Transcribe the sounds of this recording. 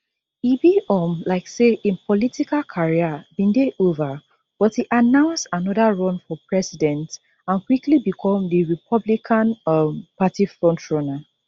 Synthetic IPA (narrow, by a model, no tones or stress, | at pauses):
ibiɔmlaɪkseʔĩnpʰɔlitikalkʰaɹiabĩndeʔova | b̥ɔthiʔanãʊ̃nsanɔðaɹɔ̃nfɔpɹɛsidɛ̃nt | ãnkwiklibikʰɔ̃mdiɹipʰɔblikʰãnɔmpatifɹɔ̃ntɹɔna